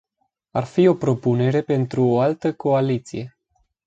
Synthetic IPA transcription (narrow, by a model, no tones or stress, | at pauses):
arfio̞pɾo̞pune̞ɾe̞pe̞nt̪ɾuoalt̪əko̞alit̪sḭje̞